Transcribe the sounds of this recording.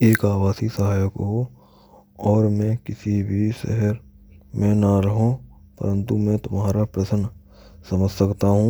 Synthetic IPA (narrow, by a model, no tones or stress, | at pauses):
eːkaːʋaːsisɐɦaːjəkɦo | ɔːɾmɛ̃kɪsibʱiʃɛ̰ɦəɾ | mẽnɐɾɐɦũ | pɐ̰ɾə̃nt̪umɛ̃ːt̪ʊmɦaːɾapɾɐsən | sɐməd͡ʒʱsɐkt̪aɦũː